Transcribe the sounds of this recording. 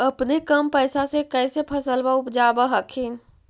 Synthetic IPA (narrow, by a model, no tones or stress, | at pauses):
əpnekəmpəɪsasekɛɪsepʰəsəlbaʊpd͡ʒaːbəɦəkʰin